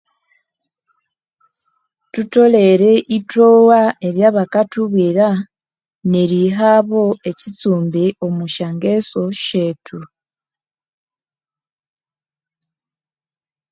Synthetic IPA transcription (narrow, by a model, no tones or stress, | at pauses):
tuto̞le̞ɾeʔitowae̞βjaːβakatuβiɾa | neɾiɦaβo̞e̞cit͡suːmbiʔo̞muʃaŋɡeso̞ʃe̞tʰu